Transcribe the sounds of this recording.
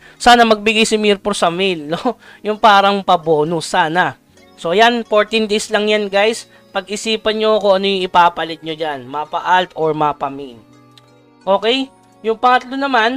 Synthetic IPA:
saːnɐmɐɡ̚bɪɡajsɪmiɾposɐmilno | jʊŋpaːɾɐŋpɐbo̞ːnʊsaːnɐ | so̞janfoɹt̪ɪnd̪ejslɐŋjanɡajs | pɐɡʔɪsiːpɐnɲo̞koʔɐno̞jʊŋɪpaːpɐlɪt̪̚ɲod͡ʒanmapɐʔalt̪ʔoɹmapɐmin | ʔo̞ːkɛj | jʊŋpɐŋɐt̪lo̞nɐman

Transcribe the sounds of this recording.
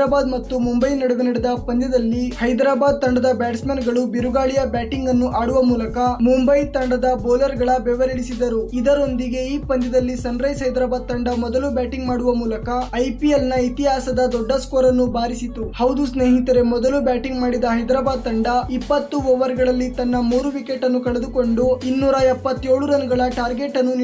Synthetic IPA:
ɾaːbaːd̪mɐt̪ːumumbɐjnɐɽuʋenɐɽid̪ɐpɐnd̪jɐd̪ɐlːihɐjd̪ɾaːbaːd̪̚t̪ɐɳɖɐd̪ɐbaːʈsmeːnɡɐɭubiɾuɡaːɭijɐbæːʈiŋɡɐnːuʔaːɽuʋɐmuːlɐkɐmumbɐjt̪ɐɳɖɐd̪ɐboːlɐɾɡɐɭɐbɛʋɐɾɐɭisid̪ɐɾuid̪ɐɾo̞nd̪iɡe̞iːpɐnd̪jɐd̪ɐlːisɐnɾɐjsɦɐjd̪ɾaːbaːd̪̚t̪ɐɳɖɐmɔd̪ɐlubʲæːʈiŋɡmaːɽuʋɐmuːlɐkɐɐjpielnɐit̪iɦaːsɐd̪ɐd̪ɔɖːɐskoːɾɐnːubaːɾisit̪uhɐwd̪usne̞ːɦit̪ɐɾe̞mɔd̪ɐlubʲaːʈiŋɡmaːɽid̪ɐɦɐjd̪ɾaːbaːd̪̚t̪ɐɳɖɐipːɐt̪ːuɔʋɐɾɡɐɭɐlːit̪ɐnːɐmuːɾuʋikeʈːɐnːukɐɭed̪uko̞ɳɖuinːuːɾɐɛpːɐt̪ːe̞ːɭuɾɐnɐɡɐɭɐʈaːɾɡe̞ʈːɐnːun

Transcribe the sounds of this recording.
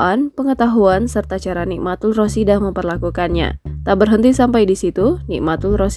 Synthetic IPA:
ʔanpəŋət̪aɦuansərt̪at͡ʃaɾaniʔmat̪ulrosidaməmpərlakukanɲa̰t̪abərɦənt̪isampajdisit̪unḭʔmat̪ulros

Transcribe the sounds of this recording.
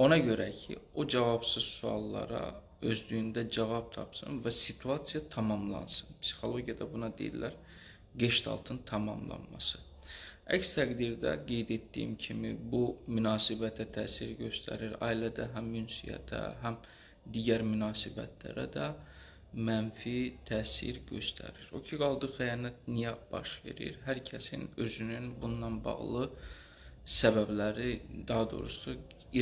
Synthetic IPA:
o̞nɑɟø̞ɾæcʰḭod͡ʒɑvɑbsɯzsuɑ̰lˠːɑ̰ɾɑ̰ | ø̞zlyjynd̪æd͡ʒɑvɑb̚t̪ʰɑpsɯ̰nvæsit̪ʰuɑsijɑt̪ʰɑmɑmlˠɑ̰nsɯnpsi̥xo̞lˠo̞ɟijɑd̪ɑbunɑd̪ejḭllæɾ | ɡeʃt̪ʰɑ̰lˠt̪ʰɯnt̪ʰɑmɑ̰mlˠɑ̰nmɑsɯ | æcst̪ʰæɡd̪iɾd̪æ̰ɡe̞jd̪et̪ːijḭmcʰimḭbumynɑːsibæt̪ʰæt̪ʰæːsiɾɟø̞st̪ʰæ̰ɾiɾɑ̰ːilæd̪æɦæmːynsijæ̰t̪ʰæ̰ɦæm | d̪iɟæɾmynɑːsibæ̰t̪ʰlæ̰ɾæ̰d̪æ | mænfit̪ʰæːsḭɾɟø̞st̪ʰæ̰ɾiɾo̞̰cʰiɡɑlˠd̪ɯxæjɑːnæt̪̚nijæb̥ɑʃve̞̰ɾḭɾɦæɾcʰæsḭnø̞zynynbunːɑnbɑ̰ɣlˠɯ | sæbæblæɾid̪ɑɦɑd̪o̞̰ɾusu

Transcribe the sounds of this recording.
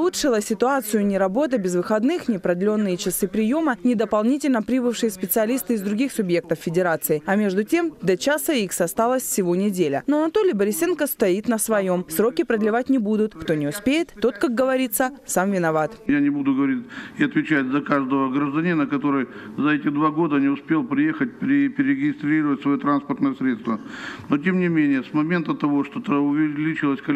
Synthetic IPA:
lˠutʂɨlˠəsʲɪt̪ʊat̪sɨjʊnʲɪɾɐbo̞t̪əbʲɪzvɨxɐd̪nɨxnʲɪpɾəd̪lʲo̞nːɨjət͡ɕɪsɨpɾʲɪjo̞mənʲɪd̪əpɐlˠnʲitʲɪlʲnəpɾʲibɨfʂɨjɪspʲɪt̪sɨɐlʲist̪ɨɪzd̪ɾʊɡʲixsʊbjek̚t̪əffʲɪdʲɪɾat̪sɨɪɐmʲe̞ʐd̪ʊtʲe̞md̪ɐt͡ɕasəixsɐst̪alˠəsʲfsʲɪvo̞nʲɪdʲelʲə̰noɐnɐt̪olʲɪjəbəɾʲɪsʲenkəst̪ɐit̪nəsvɐjo̞msɾokʲɪpɾəd̪lʲɪvatʲnʲɪbud̪ʊt̪kt̪o̞nʲɪʊspʲejɪt̪ːo̞t̪kak̚ɡəvɐɾʲit̪sːəsamvʲɪnɐvat̪janʲɪbud̪ʊɡəvɐɾʲitʲɪɐt̪vʲɪt͡ɕætʲzɐkaʐd̪əvəɡɾəʐd̪ɐnʲinəkɐt̪o̞ɾɨjzɐɛtʲɪd̪vaɡo̞d̪ənʲɪʊspʲe̞lˠpɾʲɪjexət̚ʲpʲɾʲɪpʲɪɾʲɪɪɡʲɪst̪ɾʲiɾəvətʲsvɐjit̪ɾanspərt̪nəjəsɾʲet̪st̪vənotʲe̞mnʲɪmʲenʲɪjəsmɐmʲe̞nt̪ət̪ɐvoʂt̪ot̪əʊvʲɪlʲit͡ɕɪlˠəsʲkɐ

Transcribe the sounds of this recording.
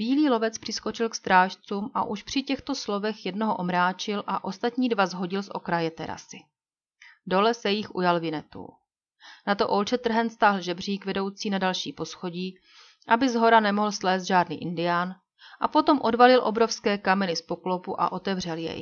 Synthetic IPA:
biːliːlo̞vɛt͡spr̥ɪsko̞t͡ʃɪlkst̪ɾaːʃt͡suːmʔa̰ʔuʃpr̝̥ɪcɛxt̪oslo̞vɛxjɛdnoɦoʔo̞mɾaːt͡ʃɪlʔaʔo̞st̪at̪ɲiːdvazɦo̞ɟɪlsʔo̞̰kɾajɛt̪ɛɾa̰sɪ | do̞lɛsɛjɪxʔujalvɪnɛt̪ṵ | nat̪o̞ʔo̞lt͡ʃɛt̪r̩ɦɛnt̪st̪aːɦl̩ʒɛbr̝iːkvɛdo̞wt͡siːnadalʃiːpo̞sxoɟiː | ʔabɪzɦo̞ɾanɛmo̞ɦl̩slɛːst̪ʒaːdnḭːʔɪndɪjaːn | ʔapo̞t̪o̞mʔo̞dvalɪlʔo̞bɾo̞fskɛːkamɛnɪspoklo̞puʔa̰ʔot̪ɛvr̝ɛljɛ̰j

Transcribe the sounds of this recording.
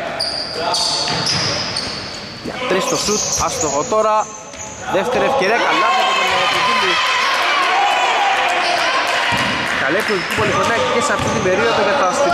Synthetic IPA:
jɐ̰t̪ɾist̪o̞sut̪ɐst̪oɣot̪o̞ɾɐ | ðe̞ft̪e̞ɾiefce̞ɾiɐkɐlɐkɐɾinɐnɐot̪oɡimu | kɐlepolit̪ici̥polifonɐceseɐft̪it̪ibe̞ɾio̞ðoʝɐt̪ɐst̪i

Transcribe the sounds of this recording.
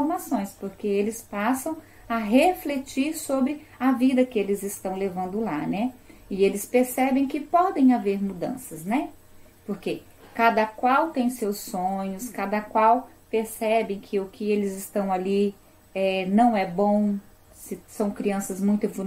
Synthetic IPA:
ɾmasõj̃spoɾkeelɪspasɐ̃w̃ | ɐɦeflet͡ʃiɾsobɾɪ | ɐvid̪ɐkɪelɪzɪst̪ɐ̃w̃levɐ̃nd̪ʊlanɛɪelɪspeɾsɛbẽj̃kɪpɔd̪ẽj̃aveɾmud̪ɐ̰̃sɐznɛ | poɾke | kad̪ɐkwawt̪ẽj̃sewsõɲʊskad̪ɐkwaw | peɾsɛbẽj̃kʰɪʊkɪelɪzɪst̪ɐ̃w̃ali | ɛnɐ̃w̃ɛbõw̃ | sɪsɐ̃w̃kɾiɐ̃sɐzmũj̃t̪ɪvu

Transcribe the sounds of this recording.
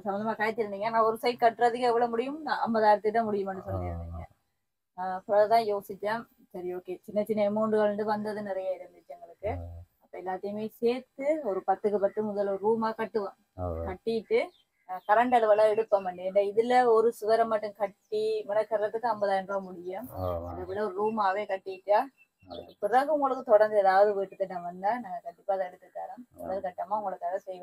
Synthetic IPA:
sɐmɐnd̪ɐmaːkaːjɐt̪ːɪɾɯnd̪iːŋɡɐnãːɔɾɯsɐɪʈ̚kɐʈːɾɐðɯkɐɛʋɐɭɐmʊɽɪjɯmaɐ̰mbɐðaːɪɾɐt̪ːɯʈ̪ːãːmʊɽɪjɯmɐnːɯsɔlːɐɪ̰ɾɯ̰nd̪iːŋɡɐ̰ | ɐpːɐɾaːðɯt̪ãːjoːsɪt͡ʃːaː | sɐɾioːkeːt͡ʃɪnːɐt͡ʃɪnːɐɛmːoːɳɖɯɣɐɭɳɖɯʋɐnd̪ɐðɯnɪɾɐjaɪɾɯnd̪ɪt͡ʃːaŋɡɐɭɯkːɯɐpːɐːɛlːaːt̪ːɪjɯmeːseːɾt̪ɯɔɾɯpɐt̪ːɯkːɯpɐt̪ːɯmʊðɐlɔɾɯɾuːmaːkɐʈːɯʋɐ̃ | kɐʈːɪjɪʈːɯ | kɐɾɐɳɖɐlɯʋɐlaːɛɽɯpːɐmɐɳɖɯɛnɖɐɪðɪlːɐɔɾɯsʊʋɐɾɐmːɐʈːɯmkɐʈːimɪnɐkːɐɾɐlɐt̪ːɯkːɯɐmbɐðaːɪndrõːmʊɽɪjɯmɐðɐʋɪɽɐɔɾɯɾuːmaːʋeːkɐʈːɪjɪʈːaː | ʊŋɡɐ̰ɭɯ̰kːɯpɪɾɐɣɯʊŋɡɐɭɯkːɯt̪ɔɽɐɾnd̪ɯɛðaːʋɐðɯʋiʈːɯt̪ːɯnːãːʋɐnd̪aːnaːŋɡɐkɐɳɖɪpːaːðaɛɽɯt̪ːɯk̪ːaːɾɯmʊnɐðɯkɐʈːɐmaːʊŋɡɐɭɯkːaːɣɐsɛjʋɐ̃

